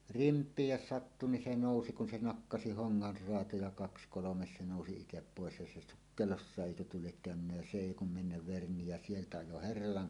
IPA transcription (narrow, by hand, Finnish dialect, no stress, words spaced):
rimpˑiːj jos sɑtːu ni se noˑusi kun se nɑkːɑsi hoŋːɑr roɑtojɑ kɑks kolomes se noˑusi itep poˑes jɑ se sukːelosːɑˑeʔ ʔeˑikø tuo liek kæønynːæ jæ se eˑi kum menːæʋ ʋerni jæ sieltæ ɑjo herːɑlɑŋ